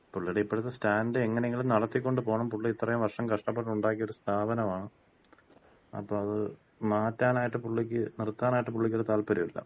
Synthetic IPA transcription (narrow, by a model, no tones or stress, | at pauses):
puɭːiɽeipːoɽɐt̪ːestaːndɨeŋːɐneŋɡiɭnɐɽɐt̪ːikʲːo̞ɳɖɨpo̞ːɳɐmpuɭːiit̪ːɐrɐjumʋɐʂʈɐmkɐʂʈɐpːeʈːuɳɖaːkijo̞ɾust̪ʰaːbɐnɐmaːɳɨ | ɐ̰pːoːɭɐðɨ | maːtːaːnaːjiʈːɨpuɭːikʲːɨnirt̪ːaːnaːjiʈːɨpuɭːikʲːoɽet̪aːlpɐɾimḭlːɐ̰